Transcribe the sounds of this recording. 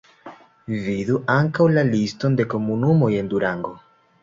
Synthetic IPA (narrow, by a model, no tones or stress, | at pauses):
viðuʔaŋkawlalist̪o̞nd̪e̞komunumo̞je̞nd̪uɾaŋɡo